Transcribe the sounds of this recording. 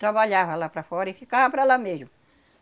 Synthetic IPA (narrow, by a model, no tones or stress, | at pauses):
t̪ɾabaʎavalapɾafɔɾifikahapɾalameʒm